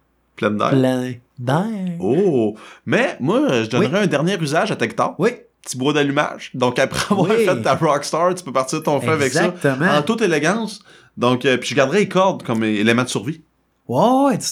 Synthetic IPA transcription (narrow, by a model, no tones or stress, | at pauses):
plɛ̃nd̪a̰ɛd̪ao | mɛmwaʒəd̪ɔnʁɛœ̃d̪ɛʁnjeʁyzaʒat̪ɛkt̪ɑ̰ːwipə̥t͡si̥bwod̪alyma̰ʒd̪ɔ̃kapʁɛavwaʁfɛt̪ːabɹɑkst̪ɑt̪y̥pøpaʁt̪t͡siːʁdət̪ɔ̃fɛavɛkszsʌt̪m̃ɑ̃t̪ʊt̪eleɡɑ̃s | d̪ɔ̃kəpiʒəɡaʁd̪əʁɛekʰɔʁd̪kɔmelemãd̪əsyʁvi | wa